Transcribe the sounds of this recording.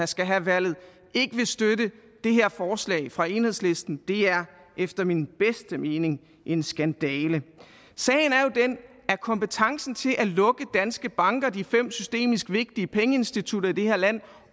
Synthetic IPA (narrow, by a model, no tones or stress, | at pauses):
æsɡ̥æɦæʋæl̰ð̩ˠ | e̝ɡ̥əʋe̝sd̥ødəd̥e̝ɦe̝ɐfɒːslɛ̰ɪfʁɑ̈e̝ːnhe̝ð̞ˠsle̝sd̥n̩d̥e̝æɐ | ʔefd̥ɐminb̥esd̥əme̝ːne̝ŋ | ʔe̝nsɡ̥ænd̥ɛːlə | sɛ̰ːɪn̩æɐjo̝d̥en | æɐkʰɒ̽mpət͡sʰɑ̈ŋsn̩t͡sʰe̝lʔælɔ̽ɡ̥əd̥ænsɡ̥əb̥ɑ̈ŋɡ̥ɐd̥ifem̰sysd̥e̝̰ːmisɡ̥ʋe̝ɡ̥̚d̥iəpʰeŋəe̝nsd̥it͡sʰud̥ɐid̥e̝heɐ̰læn̰